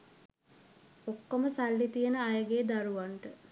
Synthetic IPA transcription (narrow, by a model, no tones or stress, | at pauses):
okːoməsalːit̪ijənəajəɡeːd̪aɾuʋaɳʈə